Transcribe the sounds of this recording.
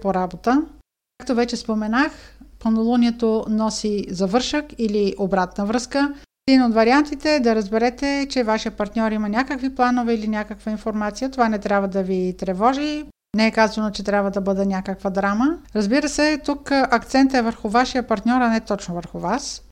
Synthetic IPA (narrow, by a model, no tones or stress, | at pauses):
poɾabot̪ə | akt̪ovɛt͡ʃɛspomɛnaxpɐnolˠoniɛt̪onɔsizɐvɤɾʃəkiliʔobɾat̪nəvɾɤskə | ɛd̪inot̪vɐɾiant̪it̪ɛd̪ɐɾɐzbɛɾɛt̪ɛt͡ʃɛvaʃijəpɐɾt̪nʲɔɾimɐnʲakəkviplˠanovɛilinʲakəkvəinfoɾmat̪sijət̪ovanɛt̪ɾʲjabvəd̪ɐvit̪ɾɛvɔʒi | nɛɛkazɐnot͡ʃɛt̪ɾʲabvəd̪ɐbɤd̪ɛnʲjakəkvəd̪ɾaməɾɐzbiɾəsɛt̪ukʔɐkt̪sɛnt̪ɛvəɾxʊvaʃijəpɐɾt̪nʲɔɾɐnɛt̪ɔt͡ʃnovəɾxʊvas